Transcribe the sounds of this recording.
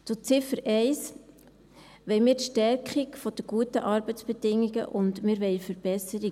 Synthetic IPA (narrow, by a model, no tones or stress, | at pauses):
t͡sʊt͡sɪfəɾɛɪs | ʋɛɪmiːɾtʃtɛɾkχikfɔd̥əɡ̥uətəʔɑɾbət͡sb̥ɛdɪŋːiɡə̰ʔʊndmɪːɾʋɛɪfəɾb̥ɛsəɾi